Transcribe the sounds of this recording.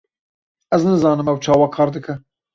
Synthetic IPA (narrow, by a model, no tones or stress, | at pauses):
ɛznɨzɑːnɨmɛwt͡ʃʰɑːwɑkʰɑːɾd̪ɨkʰɛ